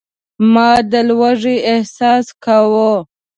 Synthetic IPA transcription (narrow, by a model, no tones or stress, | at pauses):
mɑd̪əlwaʐiːhsɑːskawo